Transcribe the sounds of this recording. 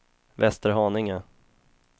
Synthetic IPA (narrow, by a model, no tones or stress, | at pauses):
vɛst̪əɾɦɑːnɪŋə